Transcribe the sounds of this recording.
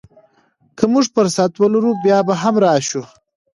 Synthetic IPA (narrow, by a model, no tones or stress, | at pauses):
kʰəmʊʐpəɾsat̪wəlaɾubjɑbaɦamɾɑʃu